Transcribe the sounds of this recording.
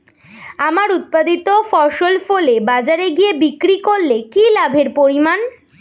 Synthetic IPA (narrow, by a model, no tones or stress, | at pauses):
amaɾut̪̚pad̪it̪ofɔʃolfolebad͡ʑaɾeɡiebikɾikoɭːekilabʱeɾpoɾiman